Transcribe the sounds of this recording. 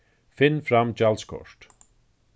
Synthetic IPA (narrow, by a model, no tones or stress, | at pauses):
fɪnfɾamt͡ʃalskʰɔ̰ʂʈ